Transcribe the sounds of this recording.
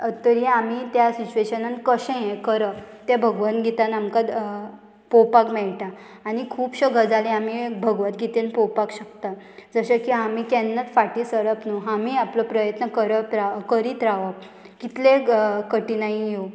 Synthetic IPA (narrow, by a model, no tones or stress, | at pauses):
t̪əɾiamit̪jasit͡ɕueɕənankəɕẽẽkəɾəp | t̪ebʱəɡʋanɡʱit̪anamkad̪ | powpakmɛɭʈaː | ñikʰuːpɕəɡʱəd͡zalẽamibʱəɡʋat̪ɡʱit̪enpowpakɕəkt̪a | d͡zəɕəkiamik̪ɛnːat͡sfaʈisəɾəpnuɦamiaplɔpɾəjət̪nəkəɾətɾakəɾit̪ɾaʋap̚ | kit̪lekəʈinaɦĩjo